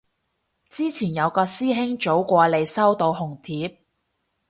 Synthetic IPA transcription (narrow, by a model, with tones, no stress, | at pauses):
t͡siː˥t͡sʰiː˨˩njɐ˨˧wkɔː˧siː˥ɦɪ˥ŋt͡ʃo˨˥wkʷɔː˧le˨˧jsɐ˥wt̪o˧wɦʊ˨˩ŋt̪ʰiː˨˥p̚